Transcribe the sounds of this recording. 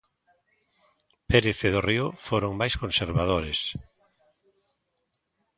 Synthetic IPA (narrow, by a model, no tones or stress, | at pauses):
peɾeθeðoriʊfoɾoŋmajskonseɾβaðoɾes